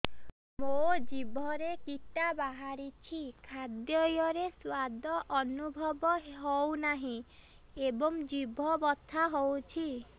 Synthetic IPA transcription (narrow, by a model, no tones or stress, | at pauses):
mod͡ʒibʱɔɾekiʈabaɦaɾit͡ʃʰikʰad̪jɔjɔɾeswad̪ʱɔʔɔnubʱɔbɔɦownaɦĩ | ebɔŋd͡ʒibʱɔbɔt̪ʰːaɦowt͡ʃʰi